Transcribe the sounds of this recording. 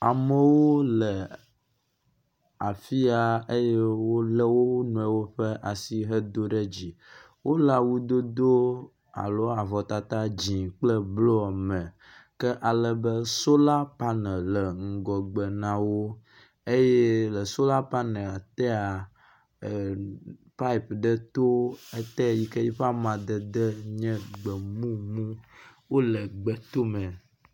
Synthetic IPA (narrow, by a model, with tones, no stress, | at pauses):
a˨mə̃˨wo˦lə˨ | a˨fi˦a˨e˦je˦wo˦lə˦wo˦nũ˨ɛ˦wo˦ɸɛ˦ʔa˨si˦ɦə˦d̪o˦ɖɛ˦d͡ʑi˨ | wo˦la˨wu˦d̪o˦d̪o˦ | a̰˨lo˦a˨vɔ˨t̪a˨t̪a˦d͡ʑĩ˨k͡plə˦blo˦a˨mɛ̃˨ | kɛ˦ʔa˨lə˦bə˦so˦la˦pa˦nɛ̃˨lɛ˨ŋ̩˨ɡɔ˨ɡ͡bɛ˨nã˨wo˦ | e˦jɛ˦lə˨so˦la˦pa˦nɛ̃˨a˨t̪ɛ˦a˨ | pa˦i˨pɖə˦t̪o˦e˦t̪ɛ˦˨ji˦kɛ˦ji˦ɸa˦mã˨d̪ə˨d̪ə˦ɲɛ̃˦ɡ͡bɛ˨mũ˦mũ˦wo˦lɛ˨ɡ͡bɛ˨t̪o˦mɛ̃˨